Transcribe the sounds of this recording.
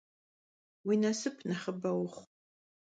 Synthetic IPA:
winɐsɨpʰnɐχəbɐwχʷ

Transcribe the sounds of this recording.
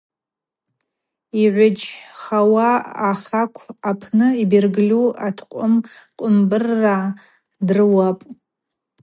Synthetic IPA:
iʕʷʊd͡ʒχawaːχakʷʰapʰnɨibirɡlʲuatʰqʷʼʊmqʷʼʊmbɨrːa | drɨwapʼ

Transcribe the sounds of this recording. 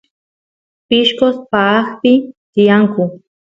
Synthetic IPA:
pɪʃkospaːkpɪt̪ɪjaŋkʊ

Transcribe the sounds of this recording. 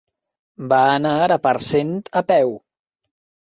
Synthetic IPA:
baːnaɾəpəɾsent̪əpɛw

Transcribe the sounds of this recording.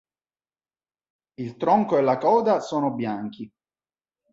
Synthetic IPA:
ilt̪ɾɔŋkoelːakɔːd̪asoːnobjaŋki

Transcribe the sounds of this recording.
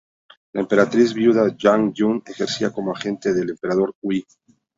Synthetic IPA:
laempe̞ɾat̪ɾizβjuðaʝaŋʝuŋe̞xe̞ɾsiako̞moaxe̞nt̪eðe̞le̞mpe̞ɾaðo̞ɾkwi

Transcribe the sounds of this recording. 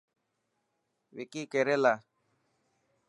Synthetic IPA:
wikikɛɾɛla

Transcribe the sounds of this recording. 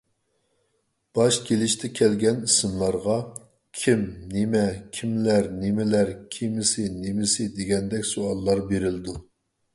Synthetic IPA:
b̥ɑʃkʲʰelɪʃt̪ʰɛkʲʰɛlɡʲɛnisɨmlˠɑɾʁɑ | kʲʰimnemɛkʲʰimlæɾnemɪlæɾkʲʰimɪsɪnemɪsɪd̪eɡʲɛnd̪ɛkʲsoɑlˠːɑɾbeɾɪlɪd̪u

